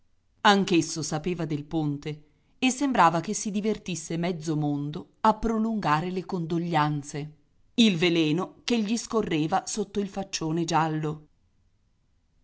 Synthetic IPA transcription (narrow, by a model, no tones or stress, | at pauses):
aŋkesːosapeːvad̪elpont̪e | esːembɾaːvakesːid̪ivert̪isːemɛd̪zːomond̪o | apːɾoluŋɡaːɾelekond̪oʎːant̪se | ilvelɛːnokeʎːiskorːeːvasot̪ːoilfat͡ʃːoːned͡ʒalːo